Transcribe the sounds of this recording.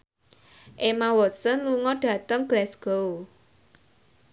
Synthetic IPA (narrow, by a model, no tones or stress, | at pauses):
ʔemawɔt̪sənluŋɔɖ̥ä̤t̪əŋɡ̥lɛsɡ̥o